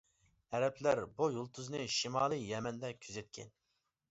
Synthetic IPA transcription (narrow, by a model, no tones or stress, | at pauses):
ɛɾɛpʰlæɾbujolˠt̪ʰuznɨʃimɑːlˠɨjɛmɛnd̪ɛkʲʰyzɛt̪̚kʲʰɛ̰n